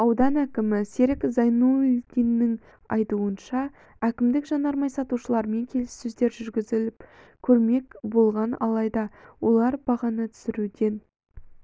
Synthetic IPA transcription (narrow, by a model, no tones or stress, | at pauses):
ɑwd̪ɑnækʲɪmɪseɾɪkzɑjnuʏlkʲenːɪŋ | ɑ̰jt̪uənʃɑ | ækʲɪmd̪ɪkʒɑnɑɾmɑjsɑt̪uʃəlˠɑɾme̞ŋkʲʰe̞lɪsːɵzd̪e̞ɾʒʏɾɡʲɪzɪlɪpkʲʰɵɾme̞kʲbo̞lˠʁɑnɑ̰lˠɑjd̪ɑwo̞lˠɑɾbɑʁɑnət̪ʰʏ̥sɪɾud̪e̞n